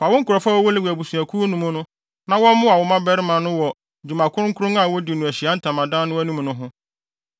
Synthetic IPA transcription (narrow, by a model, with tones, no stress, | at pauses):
fa˨wʊ̃˦ŋ̩˦kʊ˨ɾɔ˨fa˦wɔ˦wʊ˦lɪ˦wu˨æ˨bu˨su˨æ˨kʰu˦o˦nũ˨mʊ̃˦nʊ̃˦ | nã˦wɔ̃˦m˦mʊ̃˦a˨wɔ˨mã˦bɛ˦ɾɪ˦mã˨nʊ̃˦wɔ˨ | d͡ʑu˨mã˨kʰʊ˦ʊ˦ŋ̩˦kʰʊ˦ɾʊ̃˦ŋa˨wɔ˦dɪ˨nʊ̃˨æ˨ɕi˨a˦n̩˦tʰã˨mã˨dãː˦nʊ̃˦æ˦nũ˦m̃˨nʊ̃˦ɦʊ̃˦